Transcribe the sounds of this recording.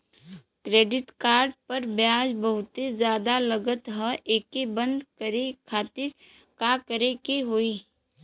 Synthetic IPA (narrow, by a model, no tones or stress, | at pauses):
kɾeːɖɪʈkaːɾɖ̚pɐɾbjaːd͡ʒbəɦʊt̪ed͡ʒjaːd̪aləɡət̪ɦəʔeːkebə̃nd̪kəɾekʰaːt̪ɪɾ | kakəɾekeɦoːiː